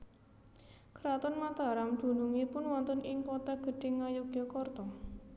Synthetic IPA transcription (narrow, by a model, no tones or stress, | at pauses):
kɾat̪ɔnmat̪a̤ɾamd̪̥ṳnuŋipʊnwɔnt̪ɔnɪŋpɔt̪ɛɡ̥ə̤ɖ̪̥ɪ̤ŋːajuɡ̥jɔkɔrt̪ɔ